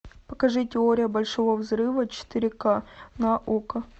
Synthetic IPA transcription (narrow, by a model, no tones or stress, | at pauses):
pə̥kɐʐɨtʲɪoɾʲɪjəbɐlʲʂovəvzɾɨvət͡ɕɪ̥t̪ɨɾʲɪkanɐʔokə